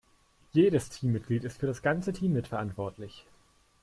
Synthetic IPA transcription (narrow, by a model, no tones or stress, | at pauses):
jeːɾəstʰiːmːɪt̚ɡ̥liːtɪstfyːɐɾasɡ̥ant͡sətʰiːmːɪtfɛɐʔantv̥ɔɐtʰlɪç